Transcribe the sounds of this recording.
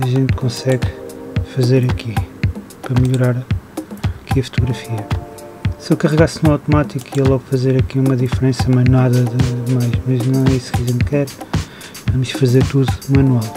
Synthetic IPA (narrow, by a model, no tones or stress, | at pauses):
ɐʒẽnt̪kõsɛɣfɐzeɾɐkʰi | pɾɐmɨʎuɾaɾ | ɐkiɐfu̥t̪uɣɾɐfiɐ | sewkɐʁɨɣaɾsnũawt̪umat̪ikiɐlˠɔɣfɐzeɾɐkiumɐðifɾẽsɐmɐnwaðɐðɨmajʃmɐʒnɐ̃w̃ɛiskɐʒẽnt̪kɛɾ | vɐmuʃfɐzeɾt̪uðumɐnwalˠ